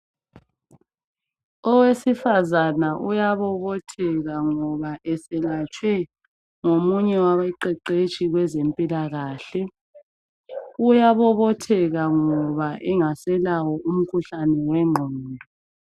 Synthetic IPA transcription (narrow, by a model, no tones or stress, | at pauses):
ɔwesifazanaʔujaβɔβɔtʰɛɣaŋɔβaʔɛsɛlat͡ʃʼwɛ | ŋomuɲɛwawɛǃɛǃet͡ʃʼiɣwɛzempʼilaɣaːɬɛ | ujaβɔβɔtʰɛɣaŋɔβaʔɛŋasɛlaɣɔʔum̩kʰuɬanɛwɛŋ͡ǃʱɔːndʱɔ